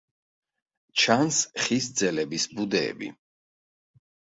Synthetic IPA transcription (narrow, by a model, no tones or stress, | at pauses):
t͡ʃʰansχisd̪zɛlɛbisbud̪ɛ̰ːbḭ